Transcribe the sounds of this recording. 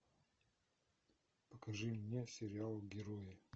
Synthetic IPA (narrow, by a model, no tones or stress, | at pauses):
pəkɐʐɨmnʲesʲɪɾʲɪalˠɡʲɪɾojɪ